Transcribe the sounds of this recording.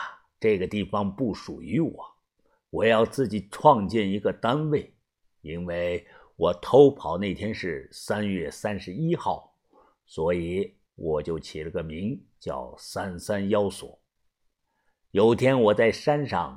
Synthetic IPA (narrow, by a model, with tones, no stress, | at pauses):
ʈ͡ʂɤ˥˩ɡə˩t̪i˥˩fɑ˧˥ŋpu˥˩ʂu˨˩y˧˥wɔ˨˩˦ | wɔ˨˩jɑ˥˧ʊt͡sɹ̩˥˩t͡ɕi˨˩ʈ͡ʂʰwɑ˥˧ŋt͡ɕjɛ˥˩ni˧˥ɡə˧t̪a˥nwe˥˩ɪ | i˥nwe˥˩ɪ | wɔ˨˩t̪ʰo˥ʊpʰɑ˧˥ʊne˥˩ɪt̪ʰjɛ˥nʂɻ̩˥˩sa˥njɥɛ˥˩sa˥nʂɻ̩˧˥i˥xɑ˥˩ʊ | swɔ˧˥i˧˩˦ | wʔɔ˨˩t͡ɕjo˥˩ʊt͡ɕʰi˨˩lə˧˥ɡə˧mi˧˥ŋ | t͡ɕjɑ̰˥˩ʊsa˥nsa˥njɑ˥ʊswɔ̰˨˩˦ | jo˨˩ʊt̪ʰjɛ˥nwɔ˨˩t͡sa˥˩ɪʂa˥nʂɑ̰˥˩ŋ